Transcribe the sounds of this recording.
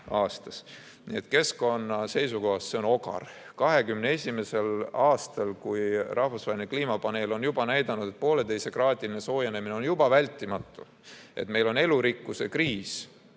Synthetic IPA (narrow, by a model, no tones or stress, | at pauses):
ɑːst̪ɑs | nḭet̪ke̞sko̞nːɑse̞jsuko̞ɦɑsseo̞no̞kɑ̰r | kɑɦe̞kymnee̞sʲimese̞lɑːst̪ɑlkujrʔɑhvusvɑːelinekliːmɑpɑne̞ːlo̞njubɑnæjd̪̥ɑnud̪̥e̞t̪̚po̞ːlet̪e̞jse̞krɑːt̪ʲiline̞so̞ːjene̞mineonjub̥ɑvælʲt̪ʲˑːimɑt̪ːˑu | e̞̰t̪me̞jlo̞ne̞luɾikːuse̞kriːs